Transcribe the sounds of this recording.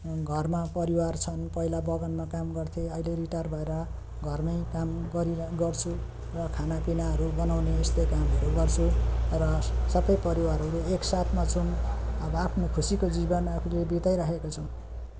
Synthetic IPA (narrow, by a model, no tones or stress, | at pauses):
ɡʱʌrmapʌɾiwart͡sʰʌnpʌilabʌɡʌnmakamɡʌrt̪ʰeʌileɾiʈarbʱʌeɾʌ | ɡʱʌrmʌjkamɡʌɾiɡʌrt͡sʰu | rʌkʰanapinaɦʌɾubʌnawneːst̪ʌjkamʌɾuɡʌrt͡sʰurʌsʌbʌjpʌɾiwaɾɦʌɾuleeksat̪ʰmat͡sʰunʌbʌapʰnokʰusikod͡zibʌnapʰulebit̪ajɾakʰekot͡sʰʌw̃